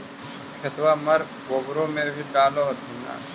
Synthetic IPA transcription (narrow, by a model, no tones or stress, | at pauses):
kʰɪt̪wamɐɾ | ɡobɾõmẽbʱiɖaːloɦt̪ʰina̰ː